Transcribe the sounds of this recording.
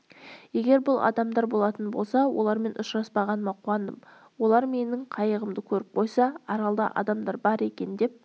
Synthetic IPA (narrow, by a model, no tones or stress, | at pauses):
je̞ɡʲe̞ɾbʊlˠɑ̰d̪ɑmd̪ɑɾbo̞lˠɑt̪ənbo̞lˠsɑwʔo̞̰lˠɑɾme̞nʔʊʃɾɑspɑʁɑnəmɑqʰuɑnd̪əm | wo̞lˠɑɾme̞nɪɴqʰɑjəʁəmd̪əkʲʰɵɾɪp̚qʰo̞jsɑɑɾɑlˠd̪ɑ̰ʔɑ̰d̪ɑmd̪ɑɾbɑɾe̞kʲe̞nd̪e̞p̚